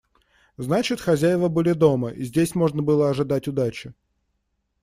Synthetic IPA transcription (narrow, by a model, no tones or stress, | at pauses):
znat͡ɕɪt̪xɐzʲæjɪvəbɨlʲɪd̪o̞məʔḭzʲdʲesʲmo̞ʐnəbɨlˠəɐʐɨd̪atʲʊd̪at͡ɕɪ